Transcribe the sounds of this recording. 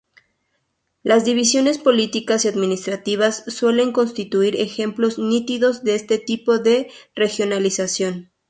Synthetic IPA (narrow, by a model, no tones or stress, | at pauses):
lazðiβisjo̞ne̞spo̞lit̪ikasiaðmĩnist̪ɾat̪iβ̞asːwe̞le̞ŋko̞nst̪it̪uiɾe̞xe̞mplo̞znit̪iðo̞zðeest̪e̞t̪ipo̞ðe̞re̞xjo̞nalisasjo̞n